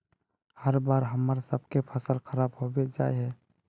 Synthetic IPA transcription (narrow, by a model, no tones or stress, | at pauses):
həɾbaːɾɦəməɾsəb̚kepʰəsəlxʰəɾaːbɦobed͡ʒa̰ːeɦɛː